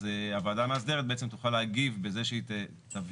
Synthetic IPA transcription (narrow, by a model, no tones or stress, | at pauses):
zeavaːdamaːsd̪e̞et̚beet͡se̞mt̪uχaleaɡivbezeʃeit | tav